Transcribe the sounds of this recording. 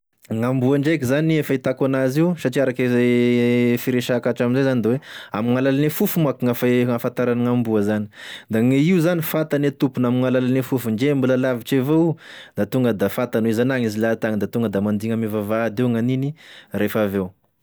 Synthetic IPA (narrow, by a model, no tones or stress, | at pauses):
ŋambuaɳɖ͡ʐajkizaniefait̪akanaziusaʈ͡ʂiaɾakeze | fiɾeʃakaʈ͡ʂaminzajzand̪awea̰miŋalalanefufumakiŋafaafant̪aɾanaŋambuəzanid̪aŋeiuzanifat̪anet̪upunamiŋalalanefufuɳd͡ʒembulalaviʈ͡ʂevoud̪̥at̪uŋɡəd̪afat̪anwezanaŋizilat̪aŋid̪at̪uŋɡəd̪amand̪iŋəmivavad̪euŋaniniɾefavew